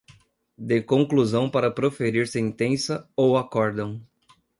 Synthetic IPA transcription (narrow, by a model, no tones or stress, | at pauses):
d̪ekõkluzɐ̃w̃paɾɐpɾofeɾiɾsẽt̪ẽsɐowakɔɾd̪ɐ̃w̃